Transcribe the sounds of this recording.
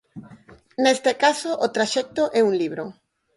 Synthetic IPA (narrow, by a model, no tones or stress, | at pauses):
nest̪ekasoʔot̪ɾaʃɛk̚t̪oʔɛuŋliβɾo